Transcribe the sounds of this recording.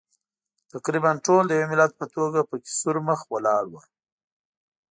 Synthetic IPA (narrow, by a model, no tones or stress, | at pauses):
t̪aqɾibanʈold̪əjawemɪlat̪̚pət̪oɡapəkʲɪ̥suɾməxwalɑɽwə